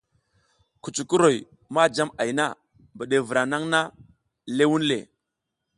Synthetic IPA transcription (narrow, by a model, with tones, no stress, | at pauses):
ku˨t͡ʃu˨ku˦ɾo˨j | ma˦d͡ʒa˦ma˨jna˦ | bə˨ɗe˨vu˨ɾa˨na˦ŋna˦ | le˦wu˦nlḛ˨